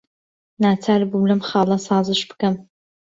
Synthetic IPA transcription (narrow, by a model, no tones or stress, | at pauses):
naːt͡sʰaːɾbublɐmχɑːlˠɐsɑːzɨʃbɨ̥kɐm